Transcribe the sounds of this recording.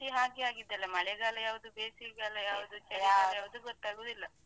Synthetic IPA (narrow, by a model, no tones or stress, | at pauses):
iɦaːɡiaːɡid̪ːɐlːɐmɐɭɛɡaːlɐjaːʋud̪ubeːsiɡaːlɐjaːʋud̪ut͡ʃɐjajaːʋud̪uɡɔt̪ːaːɡoːd̪ilːɐ